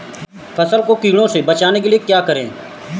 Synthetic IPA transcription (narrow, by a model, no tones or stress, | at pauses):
pʰəsəlkoːkiːɽ̃õːseːbət͡ʃaːneːkelieːkjaːkəɾḛ̃ː